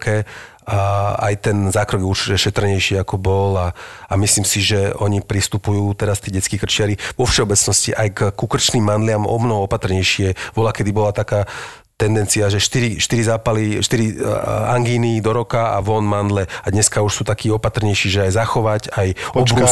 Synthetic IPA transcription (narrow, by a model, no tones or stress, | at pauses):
kɛ | aa̰jt̪ɛnzaːkɾɔɡjɛuɾt͡ʃicɛʃɛt̪r̩ɲɛjʃɪɛakɔbɔlaamisliːmsiʒɛɔɲipɾist̪upujuːt̪ɛɾast̪iɛːɟɛt͡skiːkr̩t͡ʃɪaɾiʋɔfʃɛɔbɛt͡snɔsciʔajkkukr̩t͡ʃniːmːand̪lɪamɔ̰mnɔɦɔɔpat̪r̩ɲɛjʃɪɛʋɔlakɛd̪ibɔlat̪akaː | t̪ɛnd̪ɛnt͡siaʒɛʃt̪iɾiʃt̪iɾizaːpaliʃt̪iɾia̰ŋɡiːnid̪ɔɾɔkaa̰ʋɔnmand̪lɛad̪ɲɛskauʃsuːt̪akiːɔpat̪rɲɛjʃiːʒɛajzaxɔʋacajɔbɾku